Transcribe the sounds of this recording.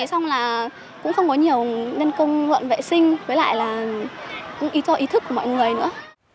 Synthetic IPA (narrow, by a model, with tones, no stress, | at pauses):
jsa˧wŋ͡mlaː˨˩ | kʊ̰˧˥ŋ͡mxə˧wŋ͡mkɔ˨˦ɲi˨˩əwne˧nkə˧wŋ͡mlwə̰˧˨nvḛ˧˨sï˧ŋ̟vəː˨˦jla̰ː˧˨jlaː˨˩ | kʊ̰˧˥ŋ͡mʔi˨˦zɔ˧ʔi˨˦t̪ʰɨ˦˥kːu˧˩əmɔ̰˧˨jŋɨ˨˩əjnɨ̰˧˥ə